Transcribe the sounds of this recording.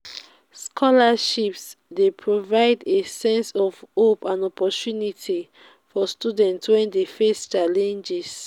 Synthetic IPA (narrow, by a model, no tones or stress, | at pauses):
skʰɔlaʃipsdepʰɹovaɪdesɛ̃nsɔvopãnɔpɔtunitʰi | fɔstudɛ̃ntswɛ̃ndefest͡ʃalɛ̃nd͡ʒis